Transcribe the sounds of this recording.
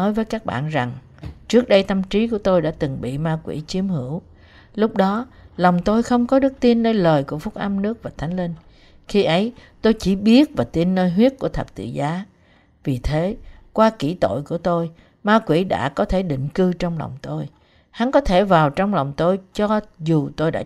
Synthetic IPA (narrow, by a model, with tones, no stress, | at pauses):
ɔ˨˦jvəː˨˦jkaː˦˥k̚ɓa̰ː˧˨nza˨˩ŋ | t͡ɕɨ˦˥ək̚ɗə˧jt̪ə˧mt͡ɕi˨˦ku˧˩ət̪o˧jɗa̰ː˧˥t̪ɨ˨˩ŋɓḭ˧˨maː˧kwḭ˧˥t͡ɕi˨˦əmhɨ˧˩˥əw | lʊ˦˥k͡p̚ɗɔ˨˦la˨˩wŋ͡mt̪o˧jxə˧wŋ͡mkɔ˨˦ɗɨ˦˥k̚t̪i˧ənːəː˧jləː˨˩jku˧˩əfʊ˦˥k͡p̚ʔa˧mnɨ˦˥ək̚vaː˨˩t̪ʰa˨˦jŋ̟li˧n | xi˧ʔə˨˦jt̪o˧jt͡ɕi˧˩ɓi˦˥ət̚vaː˨˩t̪i˧nːəː˧jɦwi˦˥ət̚ku˧˩ət̪ʰə˨˩p̚t̪ɨ̰˧˨zaː˨˦ | vi˨˩t̪ʰe˨˦kwaː˧kḭ˧˩t̪o̰˧˨jku˧˩ət̪o˧j | maː˧kwḭ˧˩ɗa̰ː˧˥kɔ˨˦t̪ʰe˧˩ɗḭ̈˧˨ŋ̟kɨ˧t͡ɕɔ˧wŋ͡mla̰˨˩wŋ͡mt̪o˧j | ha˨˦nkɔ˨˦t̪ʰe˧˩vaː˨˩wt͡ɕɔ˧wŋ͡mla˨˩wŋ͡mt̪o˧jt͡ɕɔ˧zu˨˩t̪o˧jɗa̰ː˧˥